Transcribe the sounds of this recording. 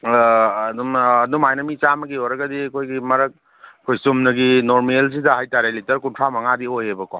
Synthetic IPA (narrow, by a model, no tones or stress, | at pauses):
numːnumajnɐmit͡ʃamɐɡioɾɐɡɐdikʰojɡimɐɾɐk̚ | kʰojsumnɐɡinoɾmels̬idɐɦajtaɾelitɐɾkuntʰamɐŋadiojebɐkɔ